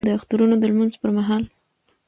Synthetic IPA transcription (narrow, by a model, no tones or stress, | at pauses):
d̪əaxt̪uɾunod̪əlmanzpəɾmaɦɑl